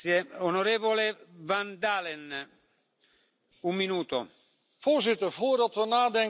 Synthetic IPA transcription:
jeonoɾeːvolevand̪aːlɛn | umːinuːt̪o | v̥oːɹzɪtəɹvʊːɹdɑtʋənaːdɛŋ

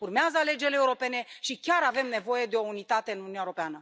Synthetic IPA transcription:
urmeazəale̞d͡ʒeleːuɾo̞pe̞ne̞ʃikʲaɾave̞mne̞vo̞je̞d̪e̞o̞unit̪at̪e̞ɨnununʲaeɾo̞peanə

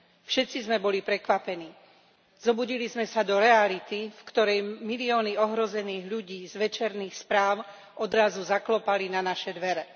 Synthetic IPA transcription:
fʃɛt̪t͡sizmɛbɔlipɾɛkʋapɛniː | z̥ɔbuɟilizmɛsad̪ɔɾɛalit̪ifkt̪ɔɾɛjmiliɔːniɔɦɾɔzɛniːɣʎuɟiːzʋɛt͡ʃɛɾniːxspɾaːʊ | ʔɔd̪ɾazuzaklɔpalinanaʃɛd̪ʋɛɾɛ

